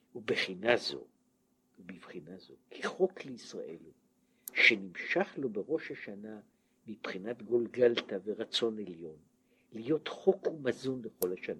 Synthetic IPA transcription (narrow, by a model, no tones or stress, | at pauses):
ubeχinazo̞̰ | ubivχinazo̞̰kʰiχo̞kleisʁa̰ʔe̞̰l | ʃenimʃaχlo̞be̞ʁo̞ʃhaʃana | mipχinat̪ɡo̞lɡaltaveʁat͡so̞ne̞ljo̞n | lijo̞tχo̞kumazunleχo̞lhaʃana